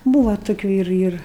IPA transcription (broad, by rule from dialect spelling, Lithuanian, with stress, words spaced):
ˈbuːʋɐ toːˈkʲuː ɪr ɪr